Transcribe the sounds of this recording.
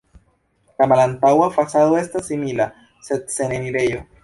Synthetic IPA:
lamalant̪awafasaðoe̞stasːimila | se̞d̪̚se̞neniɾejo̞

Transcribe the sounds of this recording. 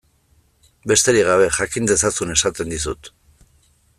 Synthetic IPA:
be̞st̪e̞ɾiɣ̞aβe̞ʝakind̪e̞sasune̞sat̪e̞nd̪is̬ut̪

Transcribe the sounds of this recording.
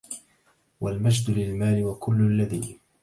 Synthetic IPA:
walmad͡ʒd̪ʊlɪlmaːlɪwakʰʊlːʊlːaðiː

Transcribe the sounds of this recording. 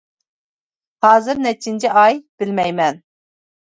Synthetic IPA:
hɑːzɨɾnɛt͡ʃʰːint͡ʃʰiʔɑjb̥ɪlmɛjmɛn

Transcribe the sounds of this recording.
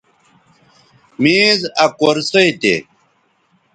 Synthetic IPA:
miːzɐkoɾsɐjt̪ḛ

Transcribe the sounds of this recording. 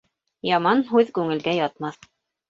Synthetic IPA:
jɑmɑnɦʉðkʉŋɘ̆lɡæjɑt̪mɑθ

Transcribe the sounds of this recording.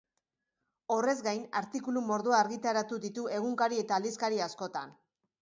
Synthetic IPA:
o̞re̞zɡajnaɾt̪ikulumo̞ɾðuaːɾɣit̪aɾat̪uðit̪ue̞ɣuŋkaɾie̞t̪aːld̪iskaɾiasko̞t̪an

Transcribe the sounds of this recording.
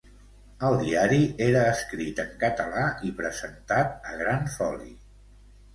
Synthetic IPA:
əlˠd̪iaɾieɾəːskɾit̪əŋkət̪əlaipɾəzənt̪at̪̚əɣɾanfɔlḭ

